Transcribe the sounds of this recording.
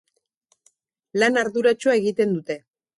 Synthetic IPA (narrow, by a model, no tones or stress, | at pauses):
lanaɾðuɾat͡ʃoae̞ɣit̪e̞nd̪ut̪e̞